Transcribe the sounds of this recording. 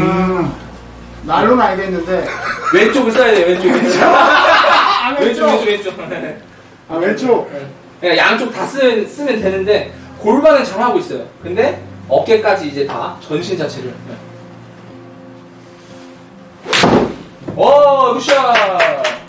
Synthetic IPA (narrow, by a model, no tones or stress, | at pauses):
ɯ | naonaɲideinːɯnde̞we̞t͡ɕ͈oɡis͈ʌjade̞jowent͡ɕ͈oɡi | et͡ɕoit͡ɕ͈owet͡ɕ͈oe | wet͡ɕ͈ok̚ | ejaŋt͡ɕ͈ok̚tas͈ɯmʌns͈ɯmjʌntwe̞nɯnde̞koɭbanɯɭt͡ɕanɦaɡois͈ʌjokɯnde̞ʌp̚k͈e̞k͈ad͡ʑiːd͡ʑe̞ta̰t͡ɕʌnɕʰind͡ʑat͡ɕʰe̞ɾɯɭje | ʌkʰɯɕ͈a